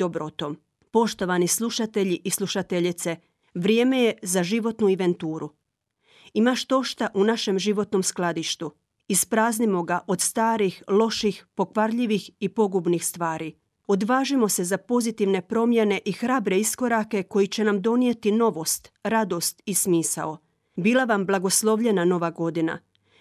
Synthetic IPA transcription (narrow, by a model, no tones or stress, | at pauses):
d̪obɾot̪o̞m | po̞ʃt̪o̞ʋanislˠuʃat̪e̞ʎiʔislˠuʃat̪e̞ʎit̪se̞ | ʋɾjeːme̞jezaʒiʋo̞t̪nuiʋe̞nt̪uːɾu | imaʃt̪o̞ʃt̪aʔunaʃe̞mʒiʋo̞t̪no̞msklˠad̪iʃt̪u | ispɾaːznimo̞ɡaʔo̞d̪st̪aːɾixlo̞ʃixpo̞kʋaɾʎiʋixipo̞ɡubnixst̪ʋaːɾi | od̪ʋaːʒimo̞se̞zapo̞zit̪iʋne̞pɾo̞mje̞ne̞ʔixɾaːbɾe̞isko̞ɾake̞ko̞jit͡ɕe̞namd̪o̞nije̞t̪ino̞ʋo̞st̪ɾad̪o̞st̪ismiːsa̰o̞ | biːlˠaʋamblˠaɡo̞slˠo̞ʋʎe̞nano̞ʋaɡo̞d̪ina̰